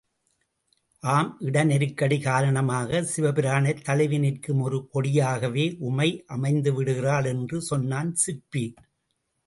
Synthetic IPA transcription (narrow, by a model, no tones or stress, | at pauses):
ʔaːmʔɪɽɐnɛɾɯkːɐɽiɣaːɾɐɳɐmaːɣɐsɪʋɐpɪɾaːɳɐt̪ːɐlɪʋɪnɪrkɯmɔɾɯpɔɽɪjaːɣɐʋeːʔʊmɐɪʔɐmɐɪnd̪ɯʋɪɽɯɣɪraːlɛndrɯsɔnːaːnsɪɾpi